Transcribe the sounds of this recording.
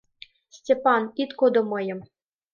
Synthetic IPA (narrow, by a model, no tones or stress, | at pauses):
sʲtʲepɑnit̪kod̪omɤjə̆m